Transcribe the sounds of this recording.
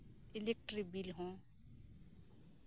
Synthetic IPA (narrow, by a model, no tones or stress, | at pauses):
ilek̚ʈɾik̚bilɦõ